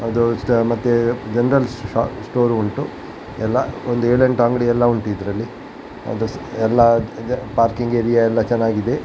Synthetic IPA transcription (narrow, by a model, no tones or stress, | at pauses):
ɐd̪usʈmɐt̪ːud͡ʒenɐɾɐlsʈoːɾuɳʈu | ɛlːɐond̪ueːɭeɳʈaŋɡɐɽiɛlːɐuɳʈuid̪ɾɐlːi | ɐ̰d̪uɛlːɐpaːɾkiŋɡeɾijaɛlːɐt͡ʃɛnːaːɡid̪e̞